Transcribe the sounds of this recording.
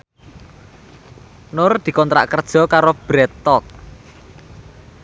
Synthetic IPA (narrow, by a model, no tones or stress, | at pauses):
nʊrd̪̥i̤kɔnt̪ɾa̰ʔkərd̥ʒ̥ɔ̤kaɾob̥ɾɛt̪ːɔt̚